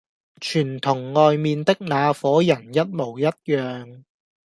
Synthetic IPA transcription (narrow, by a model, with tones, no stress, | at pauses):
t͡ʃʰyː˨˩nt̪ʰʊ˨˩ŋːɔː˨jmiː˨˧nt̪ɪ˥k̚naː˨˧fɔː˨˥jɐ˨˩njɐ˥t̚mo˨˩wjɐ˥t̚jœː˨ŋ